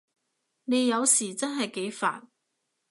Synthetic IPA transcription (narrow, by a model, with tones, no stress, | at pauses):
ne˨˧jɐ˨˧wsiː˨˩t͡sɐ˥nɦɐ˨jke˨˥jfa̰ː˨n̚